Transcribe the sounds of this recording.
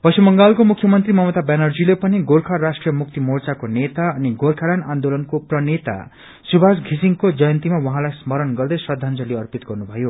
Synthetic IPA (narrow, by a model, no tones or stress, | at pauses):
bʌjsemʌŋɡalkomukʰjʌmʌnt̪rimʌmʌt̪abanʌrd͡zilepʌniɡorkʰarasʈrijʌmuk̚t̪imort͡sakonet̪aʌniɡorkʰaɾanand̪olʌnkoprʌnet̪a̰ | subʱasɡʱisiŋkod͡zʌjʌnt̪imawʌɦãlajsmʌɾʌnɡʌrd̪ʌjswʌd̪ʱand͡zʌleʌrpit̪ɡʌrnubʱʌjo